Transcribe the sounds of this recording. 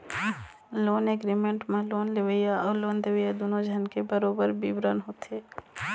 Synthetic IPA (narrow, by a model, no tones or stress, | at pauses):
loːnɛɡɾimẽɳʈmẽloːnleʋəjaɔːɾloːnd̪eʋəjad̪oːnõd͡ʒʱənkebəɾoːbəɾbibɾənɦoːt̪eː